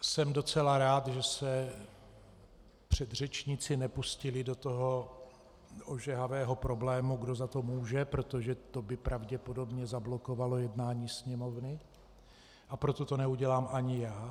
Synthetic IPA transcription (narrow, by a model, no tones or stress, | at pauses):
sɛmdo̞t͡sɛlaɾaːt̪ʒɛsɛ | pr̝̥ɛd̪r̝ɛt͡ʃɲɪt͡sɪnɛpuscɪlɪdo̞t̪oɦo̞ | ʔoʒɛɦavɛːɦo̞pɾo̞blɛːmuɡdo̞zat̪o̞muːʒɛpɾo̞t̪oʒɛt̪o̞bɪpɾʔavɟɛpodo̞bɲɛzablo̞ko̞valo̞jɛdnaːɲiːsɲɛmo̞vnɪ | ʔapɾo̞t̪o̞t̪o̞nɛuɟɛlaːmʔaɲɪjaː